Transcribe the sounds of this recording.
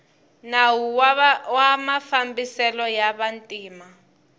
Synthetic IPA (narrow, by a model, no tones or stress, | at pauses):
nawuwamafambisɛlɔjaβantʼiːma